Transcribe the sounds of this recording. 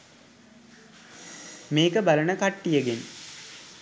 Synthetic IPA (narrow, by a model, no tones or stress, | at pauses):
meːkəbɐlɐnəkɐʈːijəɡen